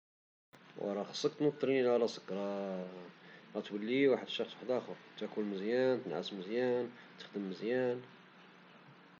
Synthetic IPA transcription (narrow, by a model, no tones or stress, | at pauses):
wɑ̰ɾˤɑxɑ̥sˤːək̚t̪nut̪ˤːɾininʕalæsə̥kːɾˤɑ | ɾˤɑt̪wəlːiwaħəd̪əʃɑxswaħəd̪ʔæxʊɾt̪ækʊlməzjænt̪ənʕa̰sməzjæn | t̪ə̥xd̪əmːəzjæn